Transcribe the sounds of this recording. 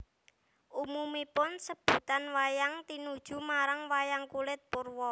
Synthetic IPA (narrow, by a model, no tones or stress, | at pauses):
ʔumumipʊnsəb̥ṳt̪anwajaŋt̪inud̥ʒ̥ṳmaɾaŋwajaŋkulɪt̪̚pʊrwɔ